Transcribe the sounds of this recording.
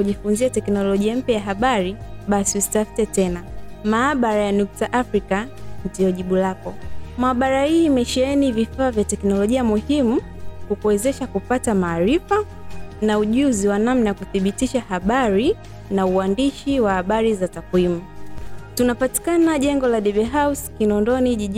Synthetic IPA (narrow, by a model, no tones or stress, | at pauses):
kuʄifunziatɛknɔlɔʄiam̩pjajaɦaɓaɾiɓasiusi̥tafi̥tɛtɛnamaːɓaɾajanuk̚taʔafɾikandiɔʄiɓulakɔmaːɓaɾahiːmɛʃɛɛnivifaːvjatɛknɔlɔʄiamuhimu | kukuwɛzɛʃakupatamaːɾifa | nauʄuziwanamnajakuθiɓitiʃahaɓaɾi | nauandiʃiwahaɓaɾizatakwimutunapati̥kanaʄɛŋɡɔlaɗɛvɛɦawskinɔndɔniʄiʄ